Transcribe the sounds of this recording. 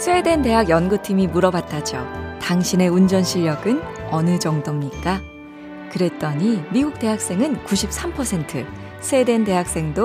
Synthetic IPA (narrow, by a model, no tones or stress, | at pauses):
sʰwe̞dwe̞nde̞ɦaɡjʌnɡutʰimimuɾʌbatʰad͡ʑo̰taŋɕʰine̞und͡ʑʌnɕʰiʎːjʌɡɯn | ʌnɯd͡ʑʌŋdʌmɲik͈a | kɯɾe̞t͈ʌɲimiɡuk̚t͈e̞ɦak̚s͈e̞ŋɯnkuɕʰip̚s͈ʰampʰʌsʰe̞ntʰɯ | sʰwe̞dwe̞nde̞ɦak̚s͈e̞ŋdo